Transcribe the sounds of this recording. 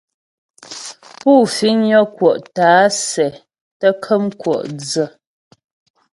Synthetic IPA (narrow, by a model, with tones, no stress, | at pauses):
puː˦˨fi˨˦nɔ˦kwɔ˨ʔtaː˨˦sɛ˨ | tə˦kʰə˦mkwɔ̰˨ʔd͡zə˨